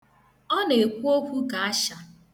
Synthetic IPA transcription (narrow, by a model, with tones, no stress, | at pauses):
ɔ˦ne˨e˨kʷu˦o˦kʷu˦ka˨a˦ʃa˨